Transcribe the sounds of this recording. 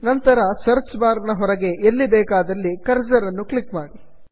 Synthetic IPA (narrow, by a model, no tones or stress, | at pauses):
nɐnt̪ɐɾɐsɐɾt͡ʃbaːɾnɐɦɔɾɐɡe̞ʔelːibɛːkaːd̪ɐlːikɐɾd͡ʒɐɾɐnːukɭikmaːɽi